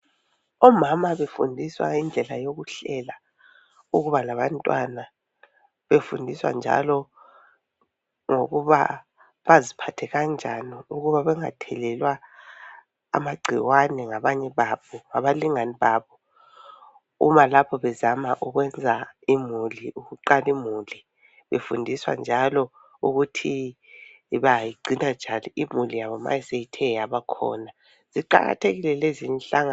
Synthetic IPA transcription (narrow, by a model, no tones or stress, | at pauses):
ɔmamaβefṵndʱiswa̰ind͡ɮʱɛlajoɣuɬɛla | uɣuβalaβantʼwa̰na | βefundʱiswa̰nd͡ʒʱa̰lɔ | ŋoɣuβa̰ | βazipʰatʰɛɣand͡ʒʱaniuɣuβaβɛŋa̰tʰɛlɛlwa | a̰maɡ͡ǀʱiwanɛŋaβaɲɛβaβɔŋaβaliŋaniβaːβɔ | ṵmalapʰɔβɛzamaʔuɣwɛnd͡zʱaimuliʔuɣuǃalimuli | βefundʱiswa̰nd͡ʒʱalɔ | uɣutʰi | βajiɡ͡ǀʱinad͡ʒ̥ʱaniimulijaβɔma̰jisejitʰɛjaβakʰɔ̰na | z̥iǃa̰ɣa̰tʰeɣilɛlezinɬʼaŋa